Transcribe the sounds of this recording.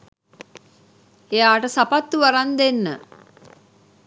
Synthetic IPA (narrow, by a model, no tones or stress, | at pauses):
ejaːʈəsapat̪ːuʋaɾand̪enːə̰